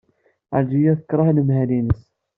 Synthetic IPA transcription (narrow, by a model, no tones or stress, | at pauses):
a̰d͡ʒijæθə̥kɾˤɑhləmhælinəs